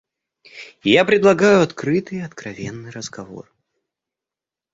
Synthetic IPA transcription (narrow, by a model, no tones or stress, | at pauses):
japɾʲɪd̪lˠɐɡajʊɐt̪kɾɨt̪ɨjɐt̪kɾɐvʲenːɨjɾəzɡɐvo̰r